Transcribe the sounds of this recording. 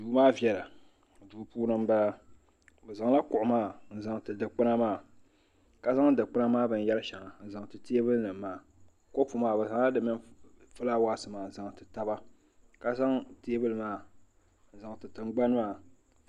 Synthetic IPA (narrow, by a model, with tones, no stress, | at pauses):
duː˨˦maː˦vjɛ˨la˨ | duː˨puː˦nɨ˦mba˦la˦ | bɨ˨za˨ŋla˦kʊ˨ʔʊ˨maː˦˨n̩˨˦za˨ŋtɨ˨dɨ˨k͡pɨ˦na˦maː˦˨ | ka˦za˦ŋ˦˨dɨ˨k͡pɨ˦na˦maː˦bɨ˨n˦jɛ˦lɨ˦ʃɛ˨ŋa˨n̩˨za˨ŋtɨ˨te˦bɨ˦lnɨ˨mː˦aː˨ | ko˦pu˦maː˦˨bɨ˨za˨ŋ˦la˦dɨ˦mɨ˦nfɨ˦la˦wa˦sɨ˨maː˨n˨za˨ŋ˨tɨ˨ta˦ba˦ | ka˦za˦ŋte˦bɨ˦lɨ˦maː˦˨ | n̩˦˨za˨ŋtɨ˨tɨ˨ŋɡ͡ba˦nɨ˦maː˦˨